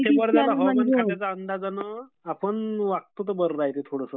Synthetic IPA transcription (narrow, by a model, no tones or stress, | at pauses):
t̪ebəɾd͡zat̪aənkatjat͡saənd̪ad͡zanə | apəɳʋak̚t̪ut̪̬əbəɾɾajet̪et̪ʰoɽəsə